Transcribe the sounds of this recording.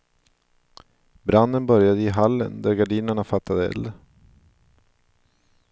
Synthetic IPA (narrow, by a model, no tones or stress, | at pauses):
bɾand̪ənbœɾjad̪əɪɦalːə̰nd̪æɾɡaɖiːnəɳafat̪ːad̪əɛ̰l